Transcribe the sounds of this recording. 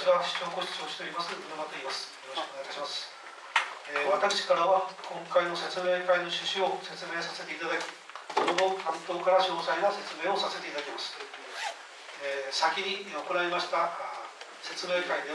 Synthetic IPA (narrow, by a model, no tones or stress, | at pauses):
βaɕɨ̥t͡ɕo̞ːko̞ɕi̥t͡ɕo̞ːɕit̪eɾimasɨod̪omat̪oimasɨ̥jo̞ɾo̞ɕikoeajt̪ḁɕimasɨ̥ | eβat̪akɯ̥ɕi̥kaɾaβakõ̞ŋkaino̞se̞t͡sɨme̞ːkaino̞ɕɨɕio̞se̞t͡sɨme̞ːsase̞t̪e̞it̪ad̪akʲi̥ | sonoɡok̪ãnt̪o̞ːkaɾaɕo̞ːsaiɡase̞t͡sɨme̞ːo̞sase̞t̪e̞it̪ad̪akʲemasɨ̥ | sakʲiɲ̟io̞konaɾemaɕi̥t̪a | se̞t͡sɨme̞ːkaid̪e